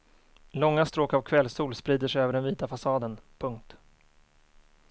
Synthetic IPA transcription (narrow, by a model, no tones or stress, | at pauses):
lɔŋːast̪ɾoːkavkʰvɛlsuːlspɾiːd̪əʂɛjøːvəɖɛnviːt̪afasɑːd̪ənpʰɵŋk̚t̪